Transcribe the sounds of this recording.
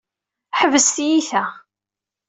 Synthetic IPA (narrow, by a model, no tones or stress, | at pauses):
ħəvəsθjiθæ